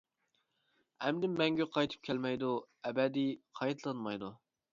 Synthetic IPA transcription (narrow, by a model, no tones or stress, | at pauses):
ɛmd̪ɪmːɛŋɡʲɛqʰɑjt̪ʰɨ̥p̚kʲʰɛlmɛjd̪u | ɛbɛd̪iqʰɑjt̪ʰlˠɑnmɑjd̪u